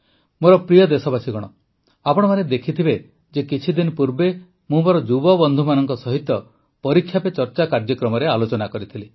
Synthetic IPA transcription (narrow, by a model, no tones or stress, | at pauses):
moɾɔpɾijɔd̪esɔbasiɡɔɽ̃ɔ | apɔɽ̃maned̪ekʰit̪ʰibe | d͡ʒekit͡ʃʰid̪inɔpuɾbe | mũmɔɾɔd͡ʒubɔbɔnd̪ʱumanɔŋkɔsɔɦit̪ːɔ | pɔɾikʰjapet͡ʃɔɾt͡ʃakaɾd͡ʒjɔkɾɔmɔɾealot͡ʃɔnakɔɾit̪ʰili